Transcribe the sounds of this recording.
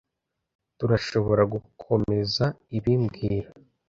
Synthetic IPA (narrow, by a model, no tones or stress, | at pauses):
tuɾaʃo̞βo̞ɾaɡukʰo̞me̞zaiβimbɡiːɾa